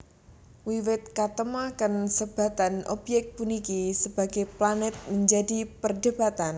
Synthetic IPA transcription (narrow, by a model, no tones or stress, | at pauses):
wiwɪt̪̚kat̪əmakənsəb̥a̤t̪anʔobjɛk̚t̪̚punikisəb̥a̤ɡ̥eplanɛt̪̚məɲd͡ʒadipərdəb̥at̪an